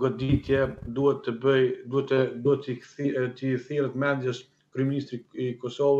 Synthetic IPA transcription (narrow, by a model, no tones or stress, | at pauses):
ɡɔd̪it̪jɛd̪uɛt̪ːəbəjd̪uɛt̪ɛd̪uɛt̪t̪iθiɾət̪mɛnd̪jɛs | kɾyɛminist̪ɾiikɔsɔvəs